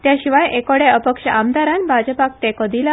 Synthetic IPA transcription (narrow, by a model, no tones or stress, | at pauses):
t̪jaɕiʋajekoɽeəpəkʂəʔamd̪aɾanbʱad͡ʑəpak̚t̪ekəd̪ila